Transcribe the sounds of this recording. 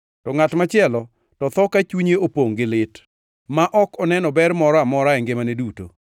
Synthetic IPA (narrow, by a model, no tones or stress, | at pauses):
tɔŋatmat͡ʃɪɛlɔ | tɔt̪ɔkat͡ʃuɲeopoŋɡɪlɪt | maʔɔkɔnɛnɔbɛɾmɔɾɔamɔɾaɛŋɡemaneduto̰